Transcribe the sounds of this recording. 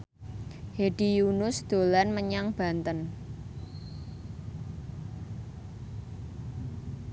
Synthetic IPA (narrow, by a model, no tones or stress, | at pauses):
heɖ̥ijunʊsd̪̥o̤lanməɲaŋb̥ä̤nt̪ən